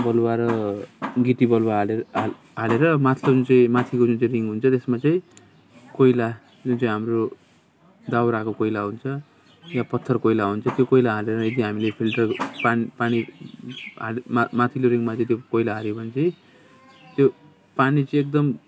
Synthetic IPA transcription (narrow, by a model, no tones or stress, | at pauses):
bʌlwaɾʌ | ɡit̪ibʌlwaɦlea | ɦaleɾʌmat̪ʰlod͡zunt͡saĩmat̪ʰikod͡zunt͡saĩriŋɡɦunt͡sʰʌt̪esmat͡saĩ | kojla | d͡zunt͡saĩɦamro | d̪awɾakokojlaɦunt͡sʰʌ | japʌt̪ʰːʌrkojlaɦunt͡sʰʌt̪jokojlaɦaleɾʌed̪iɦamilepʰilʈʌrpanipaɽ̃i | ɦalmamat̪ʰiloɾiŋmat͡saĩt̪̬jokojlaɦaɾjobʱʌnt͡saĩ | t̪jo | panit͡sʌĩek̚d̪ʌm